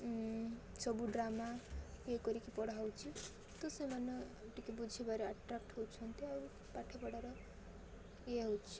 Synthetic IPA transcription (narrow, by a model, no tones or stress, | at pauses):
t͡sʌbuɖramakekoɾikipʌɽawt͡sʰi | t̪osʌmanːʌʈikibud͡zʱebaɾeaʈrakʈɦowt͡sʰʌnt̪iʌu | paʈʰepʌɽaɾʌ | jeɦot͡sʰi̥